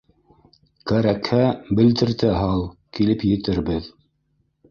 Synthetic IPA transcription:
kæɾækhæbɘ̆lt̪ɘ̆ɾt̪ɘɦɑlˠkilɘpjɘ̆t̪ɘɾbɘð

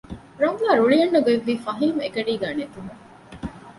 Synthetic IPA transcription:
ɾɐŋɡaːɾuɭijɐnːɐɡeʋːiːfɐɦimekɐɖiːɡaːnet̪uɦu

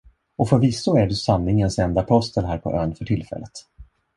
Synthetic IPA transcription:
ɔfoːɾvisʊæɖɵsanːɪŋənsɛnd̪apʰɔst̪ənɦæːɾpʰɔ̰ʔøːnfœʈʰɪlfɛ̰lːət̪

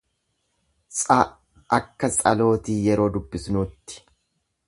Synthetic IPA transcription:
sʼɐ | ʔɐkːɐsʼɐ̰lo̞ːt̪iːjɛɾo̞ːd̪ʊbːɪsnuːt̪ːɪ̥

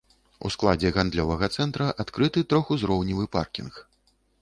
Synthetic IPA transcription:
ṵsklˠad͡zʲɛɣand̪lʲɔvɐɣɐt̪sɛnt̪ɾɐʔat̪kɾɨt̪ɨt̪ɾɔxuzɾɔwnʲivɨpa̰rkʲḭnx

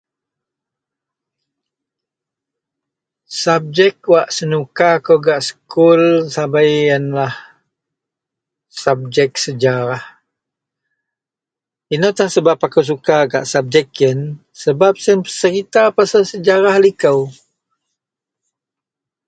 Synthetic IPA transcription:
sab̚d͡ʒɛkwaʔsənukakəwɡaʔsə̥kulsabajənlah | sab̚d͡ʒɛk̚səd͡ʒaɾah | inot̪ahsəbapakəws̬ukaɡa̰ʔsab̚d͡ʒɛkiən | səbap̚sənpəsəɾit̪apasalsəd͡ʒaɾahlikəw

